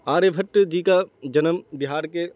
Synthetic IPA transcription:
aːɾebʱɐʈːd͡ʒiːkad͡ʒɐnəmbɪɦaːɾke

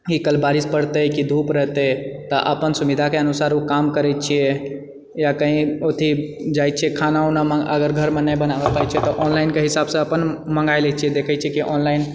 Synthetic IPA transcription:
ikəlbaɾispəɽt̪əkid̪ʱupɾəɦt̪ət̪ɔʔə̰pənsuʋid̪ʱakeənusaɾukamkəɾɛt͡ʃʰie | jakəɦĩot̪ʰi | d͡ʒajt̪̚t͡ʃʰɛkʰanaunaməə̰ɡəɾɡʱəɾmenəjbənabəpajt͡ʃʰɛt̪ɔʔɔnlaɪnkeɦisabsə̃əpənməŋɡajlɛt͡ʃʰiɛd̪ekʰɛt͡ʃʰɛkiʔɔnlain

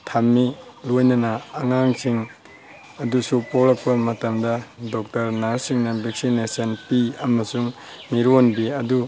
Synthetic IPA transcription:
tʰamːilojnɐnɐːŋaŋsiŋ | ɐdusupolɐk̚pɐmɐtɐmdɐdɔk̚tɐɾnaɾsiŋnɐbiksinesɐnpiɐmɐsuŋ | miɾonbiɐdu

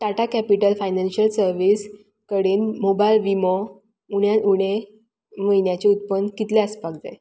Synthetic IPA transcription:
ʈaʈakæpiʈəlfajnanɕəlsəɾʋiːs | kəɽiːnmobajlʋimɔ | uɽjanuɽ̃e | məinjat͡ɕeut̪̚pənːkit̪leəspaɡd͡ze

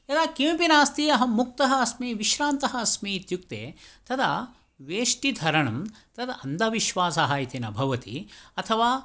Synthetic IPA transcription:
ɐd̪aːkimpinaːst̪iɐɦɐ̆muk̚t̪ɐɦɐːsmiːʋiʃɾaːnt̪ɐɦɐ̆ɐsmiːt̪juk̚t̪ḛːt̪ɐd̪ɐ̰ | ʋeːʂʈid̪ʱɐɾɐɳɐmt̪ɐd̪ɐɐnd̪ɐʋiʃʋaːsɐɦaːjit̪enɐbʱɐʋɐt̪ḭɐt̪ʰɐʋaː

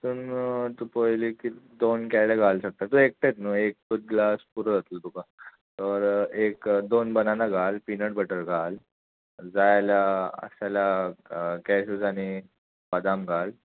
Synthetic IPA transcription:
t̪uːnt̪upojlikid̪onkajlaɡʱalɕək̚t̪at̪uek̚ʈet̪nuek̚kut̪̚ɡlaspuɾəd͡zat̪ult̪uka | t̪əɾekd̪onbənanaɡʱalpinəʈbəʈəɾɡʱal | d͡zajlaə̰ɕala | kɛɕud͡zañi | bad̪amɡʱal

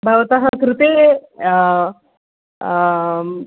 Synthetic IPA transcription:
bʱaʋt̪aɦɐkɾut̪e

